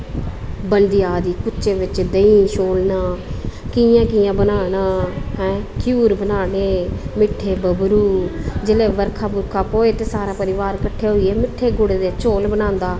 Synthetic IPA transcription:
bəɳɖɪjaːd̪iːkʊʃeːʋɪt͡ʃd̪əĩːʃoːlnaːkɪjãːkɪjãːbənaːnaːɦɛ̃ːkʰjuːɾbənaːɽeːmɪʈʰːeːbəbɾuːd͡ʒɪleːʋəɾkʰaːbʊɾkʰaːpoːeːt̪eːsaːɾaːpəɾɪʋaːɾkəʈʰːeːɦoieːmɪʈʰːeːɡʊɽeːd̪eːt͡ʃoːlbənãːnd̪aː

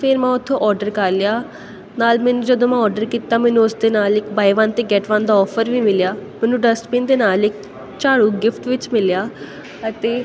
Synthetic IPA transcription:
pʰeːɾmãːʊt̪ʰːõːʔɔːɾɖəɾkəɾlɪjaː | naːlmɛːnũːd͡ʒəd̪õːmãːɔːɾɖəɾkiːt̪aːmɛːnũːʊsd̪eːnaːlɪkbaːiʋaːnt̪eːɡɛːʈʋãːnd̪aːɔːpʰəɾʋiːmɪljaːmɛ̃ːnũːɖəspĩːnd̪eːnaːlɪk | t͡ʃaːɽuːɡɪpʰʈʋɪt͡ʃmɪljaː | ət̪eː

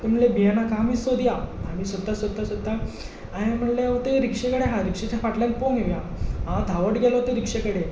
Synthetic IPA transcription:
t̪em̤əɳlebijanakaamiːsod̪jaamiːsod̪ːasəd̪ːasod̪ːa | aɦem̤əɳleaʋət̪eɾikʂekəɽeɦãɾikʂet͡ɕafaʈlãnpoŋɡeʋja | ɦãd̪ʱaʋəʈɡɛlɔt̪eɾikʂekəɽe

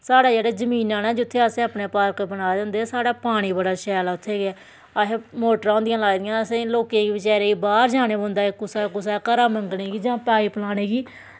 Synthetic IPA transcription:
saːɽaːd͡ʒeːɽeːzəmĩːnãːnɛːd͡ʒʊt̪ʰːeːəsẽːaːpneːpaːɾkbəɽaːd̪ɛ̃ːnd̪eːsaːɽaːpaːɽ̃iːbəɽaːʃɛːlaːʊt̪ʰːeːɡɛː | aɦeːmoːʈəɾãːnd̪ɪjãːlaːɡd̪ɪjãːəsẽːloːkẽːɡiːbɪt͡ʃɛːɾeːiːbaːɾd͡ʒaːɽeːbə̃ːnd̪aːɪkːʊsaːkʊsaːkəɾaːməŋɡɽeːɡiːd͡ʒãːpaːiːpəlaːɽ̃eːɡiː

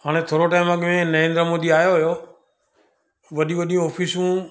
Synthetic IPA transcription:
ɦaːɽ̃et̪ʰoːɾoʈaːɪmãːɠɪʋẽnəɾẽːnd̪ɾəmoːd̪iːaːjoɦəjoː | ʋəɗĩːʋəɗijũɔːpʰiːsũː

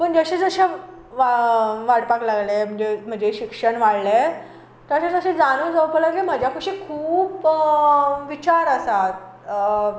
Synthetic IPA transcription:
pəɳd͡zəɕed͡zəɕe | aʋaɽpaklaɡlem̤əɳd͡ʑem̤əɳd͡zeɕikʂəɳʋaɽle | t̪əɕet͡səɕẽd͡zanod͡zəwpələɡlem̤əd͡ʑʱjakʰuɕiːkʰuːp | ʋit͡ɕaɾəsat̪̚

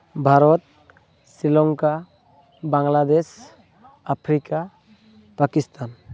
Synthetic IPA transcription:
bʱaɾɔt̪̚ | silɔŋka | baŋlad̪es | apʰɾika | pakist̪an

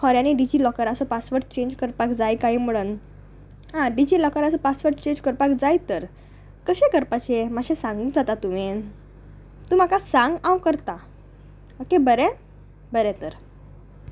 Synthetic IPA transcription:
hɔɾaniɖid͡ʑiːlɔkəɾəsopasʋəɾʈ̚t͡ɕeɲd͡ʑkəɾpakd͡zajkaɦiːm̤əɭuːn | ɦãɖid͡ʑilɔkəɾəsɔpasʋəɾʈt͡ɕeɲd͡ʑkəɾpakd͡zajt̪əɾ | kəɕekəɾpat͡ɕemaɕesãŋɡũd͡zat̪at̪umen | t̪uːm̤akasãŋɡãwkəɾt̪a | okebəɾɛ | bəɾɛ̃t̪əɾ

